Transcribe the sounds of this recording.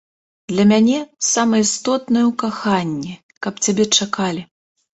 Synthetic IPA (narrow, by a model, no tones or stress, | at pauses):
d̪lʲɐmʲanʲɛsamɐist̪ɔt̪nɨjwkaxanʲːɛ | kɐpt͡sʲabʲɛt͡ʂakalʲi